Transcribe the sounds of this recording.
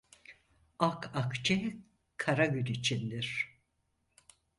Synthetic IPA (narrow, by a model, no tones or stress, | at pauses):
akʰakt͡ʃʰɛ | kʰaɾaɟynit͡ʃʰind̪iɾ̥